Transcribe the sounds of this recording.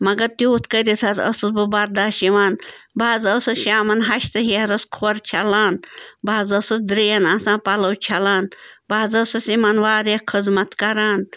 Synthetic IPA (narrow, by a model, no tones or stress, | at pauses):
mɐɡɐɾt̪ʲuːt̪ʰkəɾʲisʰazɐ̰sɨsbɨbɐɾd̪aːʃiʋaːnbaːzəsɨʃaːmɐnɦɐʃt̪ɨɦiɐɾɐskʰoɾt͡ʃʰɐlaːnbaːzɐsɨsd̪ɾijɐnasãːpɐlɐwt͡ʃʰɐlaːnbaːzɐsɨsimɐnʋaːɾekʰɨzmɐt̪kɐɾaːn